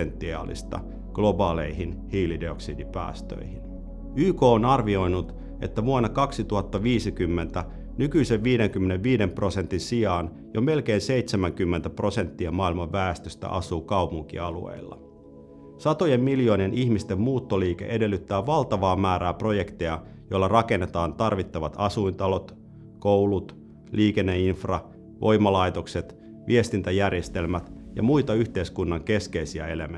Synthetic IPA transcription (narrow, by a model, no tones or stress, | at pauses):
ent̪ːiɑ̰ːlḭst̪ɑ̰ | ɡ̥lo̞bɑːle̞̰jɦinhiːlideoksḭːdipæ̰ːst̪ø̰jhin | yːko̞ːnɑrʋio̞jnut̪ | e̞̰t̪ːæʋuɑnːɑkɑksit̪uɦɑt̪ːɑʋiːsikymːe̞nt̪æ | nykyise̞ʋʋiːdeŋkymːe̞neʋʋiːde̞mpro̞se̞nt̪insiɑːn | jome̞lk̟eːnse̞it̪semæŋk̟ymːent̪æpro̞se̞nt̪ːiɑmɑːilmɑʋːæːst̪øst̪æ̰ʔɑ̰suːkɑupuŋk̟ḭɑlṵḛilːɑ̰ | sɑt̪o̞jemːiljo̞ːnienʔiçmist̪e̞mːmuːt̪ːoliːke̞̰ʔe̞de̞lːyt̪ːæːʋɑlt̪ɑʋɑːmæːɾæːpro̞je̞kt̪ejɑ | jo̞lːɑrɑke̞nːet̪ɑːnt̪ɑrʋit̪ːɑʋɑt̪ɑsuint̪ɑlo̞t̪ | kowlut̪ | liːke̞nːeinfrɑ | ʋʔo̞jmɑlɑjt̪o̞kset̪ | ʋie̞st̪int̪æjærjest̪e̞lmæt̪jɑ̰mujt̪ɑyçt̪e̞iskunːɑŋke̞ske̞isiæ̰e̞lem